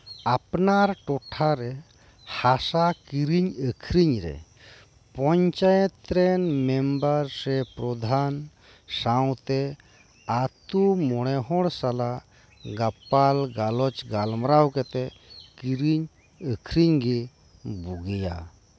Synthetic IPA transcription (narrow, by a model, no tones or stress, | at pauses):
apnaɾʈɔʈʰaɾɛ | hasakiɾiɲəkʰɾiɲɾɛ̰ | pɔɲt͡ʃajɛt̪ːɾɛnmɛmbəɾsɛpɾɔd̪ʱan | saw̃t̪ɛ | at̪umɔɽ̃ɛɦɔ̃ɽsala | ɡapalɡalɔt͡ʃɡalmɾawkɛt̪ɛ | kiɾiɲ | əkʰɾiɲɡi | buɡija̰